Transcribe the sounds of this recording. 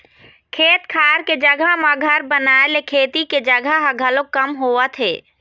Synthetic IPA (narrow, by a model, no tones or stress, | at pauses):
kʰeːt̪kʰaːɾked͡ʒəɡʱəmãɡʱəɾbənaːelekʰeːt̪iked͡ʒəɡʱəɦɡʱəlõkəmɦoːət̪ʰɦeː